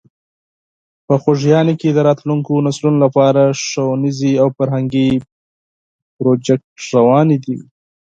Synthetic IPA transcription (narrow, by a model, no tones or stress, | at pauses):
pəxoʒjɑneked̪əɾɑt̪luŋkonaslunolapɑɾaʂowniziawfaɾɦaŋɡi | pɾod͡ʒɛk̚ʈɾawɑnid̪ḭ